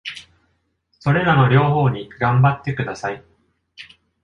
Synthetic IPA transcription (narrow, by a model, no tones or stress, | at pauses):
so̞ɾe̞ɾano̞ɾʲo̞ːɦo̞ːɲ̟iɡãmbat̪ːe̞kɯ̟d̪asai